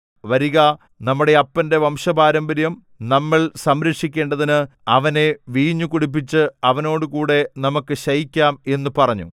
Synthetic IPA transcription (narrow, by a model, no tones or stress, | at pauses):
ʋɐɾiɣa | nɐmːuɽe̞ɐpːɐnde̞ʋɐmʂɐbaːɾɐmbɐɾjɐm | nɐmːɐɭsɐmɾɐkʂikʲːe̞ːɳɖɐðinɨɐʋɐne̞ʋiːɲːukuɽip̬ːit͡ɕːɨɐʋɐno̞ːɽɨkuːɽe̞nɐmukːɨɕɐjikʲːaːme̞nːupɐrɐɲːṵ